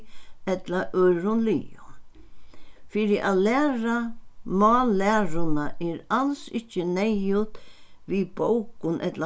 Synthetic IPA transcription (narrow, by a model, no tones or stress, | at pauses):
ɛt̪laʔœɾʊnlḭːʊ | fiːɾɪʔa̰lɛːɾamɔːlɛːɾʊnaʔɛɾalsɪt͡ʃːɪnɛjʊt̪ʋibowkʊnʔɛ̰t̪la